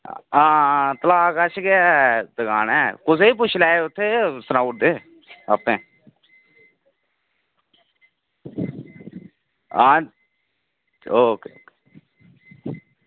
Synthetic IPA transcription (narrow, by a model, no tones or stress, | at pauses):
ãːt̪əlaːkət͡ʃʰɡɪad̪əɡaːnɛːkʊs̬eːiːp̬ʊt͡ʃʰlɛːeʊt̪ʰːeːsənaːuːʈ̚d̪eː | əpẽː | ãː | oːke